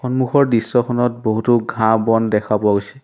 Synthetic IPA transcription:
xɔnmuxɔɹdisːɔkʰɔnɔt̚boɦutuɡʱãbɔndɛkʰapʊaɡojsɛ

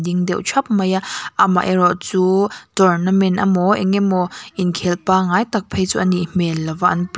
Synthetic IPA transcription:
diŋdɛwʔt͡ʃʰɐp̚mɐjaʔama̰ʔɛɾɔʔt͡suːtɔrnɐmɛna̰mɔʔɛ̰ŋɛmɔʔinkʰɛlpaŋajt̪ɐk̚pʰejt͡sṵːʔɐniʔmɛlːɐvaʔɐnp

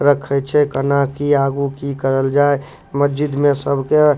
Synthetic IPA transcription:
ɾəkʰɛt͡ʃʰɛkənakiaɡukikəɾəld͡ʒae | məsd͡ʒɪd̪mẽsəbʱke

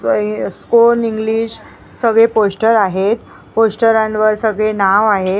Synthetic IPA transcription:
skoniŋɡliːɕ | səɡɭeposʈəɾaɦet̪ | posʈəɾãnʋəɾsəɡɭenaʋaɦe

